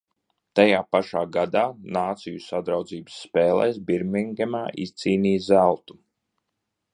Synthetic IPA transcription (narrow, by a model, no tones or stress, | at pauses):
t̪ajaːpaʃaːɡad̪aːnaːt̪sijusad̪ɾawd̪ziːbə̥sːpɛːlˠɛ̰jsbiɾmiŋɡɛmaːʔist̪siːniːzælˠt̪u̥